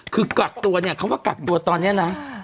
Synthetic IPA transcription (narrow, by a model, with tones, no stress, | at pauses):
kʰɯː˧kla˨˩k̚t̪u˧ɐni˥˩ɐkʰa˦˥wmaː˧˥˩ka˨˩k̚t̪u˧ɐt̪ɔː˧nːi˦˥ɐna˦˥